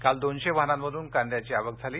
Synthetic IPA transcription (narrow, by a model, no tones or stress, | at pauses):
kald̪onɕeʋaɦnamməd̪ʱuːnkãnd̪jat͡ɕiːaʋəɡd͡zʱaliː